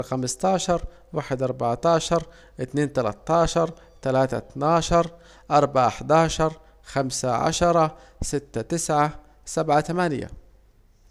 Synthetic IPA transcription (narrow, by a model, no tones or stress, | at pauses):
xamɪst̪ɑːʃɑɾˤ | waːħɪd̪ʔɑɾˤbaʕt̪ɑːʃɑɾˤ | ʔɪt̪neːnt̪ala̰t̪ːɑːʃɑɾˤ | t̪alaːt̪a̰t̪naːʃɑɾˤ | ʔɑɾˤbaʕʔaħd̪ɑːʃɑɾˤ | xamsaʕa̰ʃɑɾˤɑ | sɪt̪ːat̪ɪsʕa | sabʕat̪amanja̰